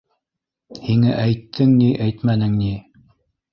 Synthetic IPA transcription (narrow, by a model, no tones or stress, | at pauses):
hiŋæʔæjt̪ʰːɘŋniʔæjt̪mænɘŋni